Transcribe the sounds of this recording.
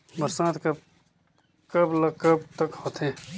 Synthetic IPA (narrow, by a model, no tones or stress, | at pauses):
bəɾsãːt̪kɐ | kəblɐkɐbt̪əkhoːt̪ʰẽː